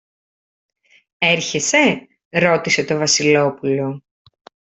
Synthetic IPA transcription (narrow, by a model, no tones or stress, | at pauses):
e̞ɾçe̞se̞ | ɾo̞t̪ise̞t̪o̞vɐsilo̞pulo̞